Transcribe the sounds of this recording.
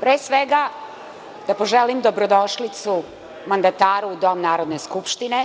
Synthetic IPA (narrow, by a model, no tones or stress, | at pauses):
pɾeːsʋeɡa | d̪apoʒelimd̪o̞bɾod̪oʃlit̪su | mand̪at̪aːɾuud̪o̞mnaːɾo̞d̪neskupʃt̪ine